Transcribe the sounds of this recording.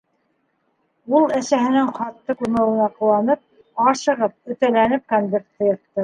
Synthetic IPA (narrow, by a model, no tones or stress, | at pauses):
ulˠæsæɦɘ̆nɘŋχɑt̪ːɤkuɾmæ̆wɤ̆nɑqɤ̆wɑnɤp̚ | ɑʃɤ̆ʁɤp̚ɵ̆t̪ælænɘp̚kanvʲeɾt̪ːɤ̆jɤ̆t̪ːɤ